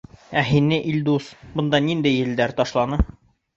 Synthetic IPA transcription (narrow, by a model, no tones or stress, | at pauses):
æɦinɘʔilʲd̪usbɤ̆nd̪ɑnind̪æjɘ̆ld̪æɾt̪ɒʃlˠɑnɤ